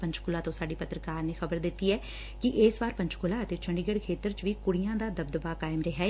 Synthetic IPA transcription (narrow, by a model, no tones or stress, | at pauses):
pə̃ɲt͡ʃkʊlaːt̪õːsaːɖiːpət̪ɾəkaːɾneːxəbəɾd̪ɪt̪ːiːɛː | kɪʔeːsʋaːɾpə̃ɲt͡ʃkʊlaːət̪eːt͡ʃʰəɳɖiɡəɽkʰeːt̪əɾt͡ʃʋiːkʊɽɪjãːd̪aːd̪əb̚d̪əbaːkaːɪmɾɛɦaː